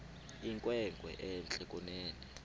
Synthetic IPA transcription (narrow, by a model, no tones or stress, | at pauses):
iŋkʼwɛŋɡʱwɛ̰ʔɛnt͡ɬʼɛkʼunɛːnɛ